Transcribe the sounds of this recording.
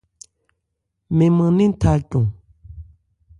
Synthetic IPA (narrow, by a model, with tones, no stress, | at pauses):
me˨ma˨ŋni˥nt̪ʰa˥˨lt͡ɕo˨ŋ